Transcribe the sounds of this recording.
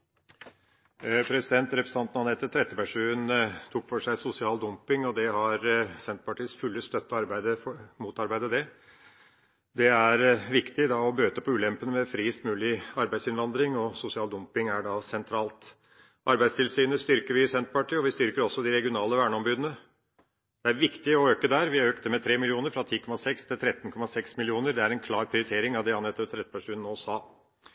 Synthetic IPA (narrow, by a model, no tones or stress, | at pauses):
pʰɾɛsɪd̪ɛnt̪ɾɛpɾəst̪ɑnt̪̚nɑnɛt̪ːət̪ʰɾɛt̪ːəpæʂʉːənt̪ʰuːkfɔʂæɪsʊsɪɑːld̪ʊmpɪŋɔd̪ɛɦɑɾsɛnt̪̚pɑʈʰiːəsfʉlːəst̪œt̪ːɑɾbæɪd̪əfɔmuːt̪ɑɾbæɪd̪əd̪ɛ | d̪ɛæɾʋɪkt̪ɪd̪ɑɔbøːt̪əpʰɔʉːlɛmpənəmɛfɾiːst̪mʉːlɪɑɾbæɪd̪sɪnʋɑnd̪ɾɪŋɔsʊsɪɑːld̪ʊmpɪŋæɖɑsɛnt̪ʰɾɑːlt̪ | ʔɑɾbæɪst̪ʰɪlsyːnəst̪ʏɾkəɾʋɪsɛnt̪pɑʈiːɔʋɪst̪ʏɾkəɾɔsːɔd̪ɪɾɛɡɪʊnɑːləʋæːɳəɔmbʉːd̪ən̩ə | d̪̥ɛæɾʋɪkt̪ɪɔøːkəd̪æːɾʋɪøːkt̪əmɛt̪ʰɾeːmɪlɪuːnəɾfɾɑt̪ʰiːkʰɔmɑsɛkst̪ʰɪlt̪ʰɾɛt̪ːnkʰɔmːɑsɛksmɪlɪuːnəɾd̪ɛæɾɛnkʰlɑːɾpʰɾɪʊɾɪt̪ʰeːɾɪŋɑʋd̪ɛhɑnɛt̪ːəpt̪ʰːɾɛt̪əpʰæʂʉːnnoːsɑː